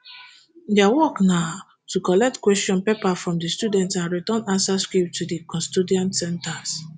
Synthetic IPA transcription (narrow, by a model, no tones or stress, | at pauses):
dɛawɔknaʊ | tʰukɔlɛk̚tkwɛstɔ̃npepafɹɔ̃mdistudɛ̃ntãnɹitɔ̃nãnsaskip̚tʰudikɔ̃studiɔ̃ntsɛ̃ntas